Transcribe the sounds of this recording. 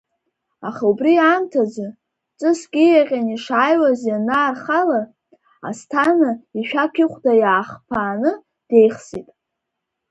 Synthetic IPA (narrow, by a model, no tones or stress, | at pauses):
aχaubriamtʰad͡za | t͡sʼɨskʲijaqʲʼaniʂajwazjanaːrχala | a̰stʰanaiʃᶣakʲʰɪχʷdajaːχpʰaːnɨ | d̥e̞jχsitʼ